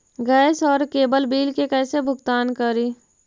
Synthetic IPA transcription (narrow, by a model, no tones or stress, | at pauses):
ɡɛːɪsɔːɾkeːbəlbiːlkekɛːsebʱʊɡt̪aːnkəɾiː